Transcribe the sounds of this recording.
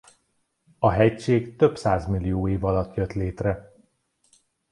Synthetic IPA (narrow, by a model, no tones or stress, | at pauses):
ɒɦɛcʃeːkt̪ø̞psaːzmilːijoːeːvɒlɒt̪jøt̪leːt̪rɛ